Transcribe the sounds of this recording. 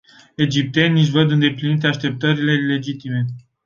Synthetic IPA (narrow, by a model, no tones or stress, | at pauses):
e̞d͡ʒip̚t̪e̞nʲːiʃ̬vəd̪ɨnd̪e̞plinit̪eaʃt̪e̞p̚t̪əɾile̞le̞d͡ʒit̪ime̞